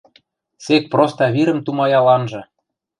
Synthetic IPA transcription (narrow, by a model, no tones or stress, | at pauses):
sek̚prost̪ɑβiɾə̆mt̪umɑjɑlɑnʒɤ̆